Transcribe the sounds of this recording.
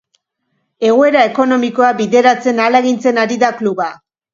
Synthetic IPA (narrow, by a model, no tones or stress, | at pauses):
e̞ɣoe̞ɾae̞ko̞no̞miko̞abiðe̞ɾat͡se̞naleɣint͡se̞naɾiðakluβa